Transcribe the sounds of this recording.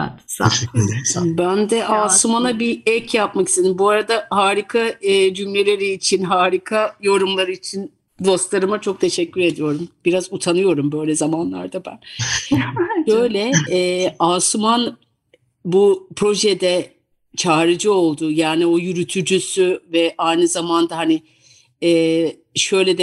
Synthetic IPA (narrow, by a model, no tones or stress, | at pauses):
ɛ̰t̪sa̰ | bænd̪ɛʔaːsumanabiɛcʰjapmaki̥st̪ʰed̪imbuaɾad̪ahaːɾikʰad͡ʒymlʲe̞lʲe̞ɾiːt͡ʃʰinɦaːɾikʰajo̞ɾumlˠaɾɯit͡ʃʰin | d̪o̞st̪lˠaɾɯmat͡ʃʰo̞k̚t̪ʰe̞ʃɛcːyɾe̞d̪ijo̞ɾumb̥iɾazut̪ʰanɯjo̞ɾumbø̞jlʲɛzamanlˠa̰ɾd̪abæ̰n | ʃø̞jlʲɛː | asman | bupʰɾo̞ʒɛd̪ɛ | t͡ʃʰaːɾɯd͡ʒɯo̞lˠd̪ʊjaːnio̞jyɾyt̪ʰyd͡ʒysyvɛʔajnɯzamand̪aɦanɪ | ɛː | ʃø̞jlʲɛd̪ɛ